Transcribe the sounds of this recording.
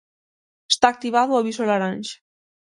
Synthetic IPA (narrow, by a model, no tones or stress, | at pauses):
est̪aːk̚t̪iβaðuaβisalaɾanʲʃ